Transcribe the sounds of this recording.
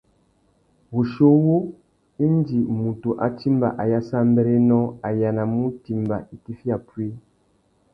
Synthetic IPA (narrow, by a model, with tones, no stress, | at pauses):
bu˨ʃo˦wo˦ | i˦n˦di˨mu˨to˨ʔa˨ti˦mba̰˨ʔa˨ja˦sa˦m˦bɛ˦ɾe˦nɔ˦a˨ja˨na˨mu˦ti˨mba˨ʔi˨ti˦fi˦a˨pwe˦